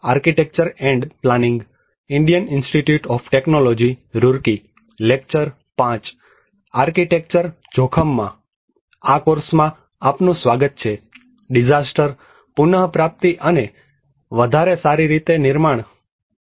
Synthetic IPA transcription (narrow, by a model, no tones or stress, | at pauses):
aɾkiʈek̚t͡ʃəɾeɳɖplanɪŋɡ | ɪɳɖijənɪnsʈiʈjuʈɔfʈeknolɔd͡ʒiɾuɾki | lekt͡ʃəɾ | pãt͡ʃ | aɾkiʈek̚t͡ʃəɾ | d͡ʒʱokʰəmːã̰ | akoɾsmã | apnũsʋaɡət̪̚t͡ʃʰe | ɖɪd͡ʒasʈəɾ | pʊnəɦpɾap̚t̪iʔəne | ʋəd̪ʱaɾesaɾiɾit̪enɪɾmaɳ̃